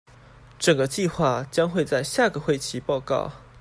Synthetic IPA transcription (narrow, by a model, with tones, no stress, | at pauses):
ʈ͡ʂə˨˩ŋɡə˦t͡ɕi˥˧xwa˥˩t͡ɕjɑ˥ŋxwe˥˧ɪt͡sa˥˧ɪɕja˥˩ɡə˩xwe˥˩ɪt͡ɕʰi˧˥pɑ˥˧ʊkɑ̰˥˩ʊ